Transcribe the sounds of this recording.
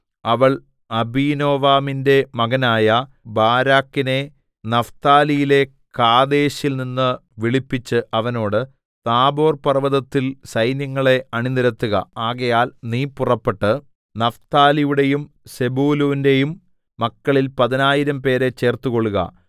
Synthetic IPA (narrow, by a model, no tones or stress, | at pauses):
ɐʋɐɭ | ɐbiːno̞ːʋaːminde̞mɐɣɐnaːjɐ | baːɾaːkːine̞ | nɐft̪aːlijile̞ | kaːd̪eːɕilninːɨʋiɭipːit͡ɕːɨʔɐʋɐno̞ːɽɨ | t̪aːbo̞ːrpɐrʋɐðɐt̪ːilsɐjnjɐŋːɐɭe̞ɐɳiniɾɐt̪ːuɣɐ̰aːɣɐjaːlniːpːurɐpːeʈːɨ | nɐft̪aːlijuɽe̞jum | se̞buːluːnde̞jumː | ɐkːɐɭilpɐðinaːjiɾɐmpe̞ːɾe̞t͡ɕːe̞ːrt̪uko̞ɭːuɣɐ̰